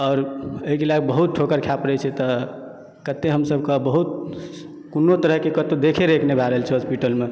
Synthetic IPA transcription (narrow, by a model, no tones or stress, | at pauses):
ɔːɾəɦikelaɡbəɦut̪̚ʈʰokəɾkʰjapɾɛt͡ʃʰɛt̪ɔ | kət̪ːeɦəmsəb̚ʱkəbəɦut̪̚ | kunːot̪əɾəɦkekət̪od̪ekʰeɾekʰnebʱaɾəɦəlt͡ʃʰɛospiʈəlme